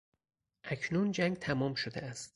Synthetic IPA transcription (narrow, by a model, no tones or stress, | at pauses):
ʔæcʰnund͡ʒæŋɡt̪ʰæmɒːmʃod̪eæst̪